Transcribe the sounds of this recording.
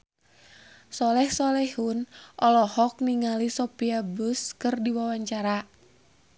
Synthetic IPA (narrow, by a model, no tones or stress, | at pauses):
sɔlɛhsɔlɛhunʔɔlɔhɔk̚niŋalisɔpiabuskɨrdiwawaɲt͡ʃaɾa